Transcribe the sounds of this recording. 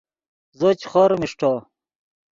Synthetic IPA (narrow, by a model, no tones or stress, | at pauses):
zot͡ɕχoɾmiʂʈʰo